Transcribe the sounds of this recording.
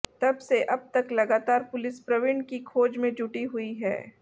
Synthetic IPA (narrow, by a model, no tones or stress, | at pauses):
t̪ɐbseʔɐb̚t̪ɐklɐɡaːt̪aːɾpʊlɪspɾɐʋɪɳɖkikʰoːd͡ʒmẽd͡ʒʊʈiɦʊiɦɛ̰ː